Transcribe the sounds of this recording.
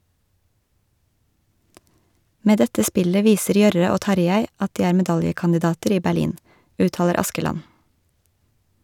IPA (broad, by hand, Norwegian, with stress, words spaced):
ˈmeː ˈdɛtə ˈspɪlə ˈʋiːsəɾ ˈjœɾə ˈoː ˈtɑɾjæɪ ˈɑt ˈdiː ˈæːɾ mɛˈdɑljəkɑndɪˌdɑːtəɾ ˈiː bæˈɭiːn ˈʉːˌtɑːləɾ ˈɑskəlɑn